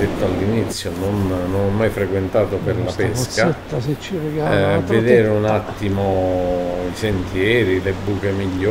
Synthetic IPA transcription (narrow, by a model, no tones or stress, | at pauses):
et̪ːoalːinit̪sːjononːonɔmːajfɾekwent̪aːt̪operlapeskat͡ʃirɡaved̪eːɾeunat̪ːimo | isent̪jɛːɾilebːuːkemiʎːo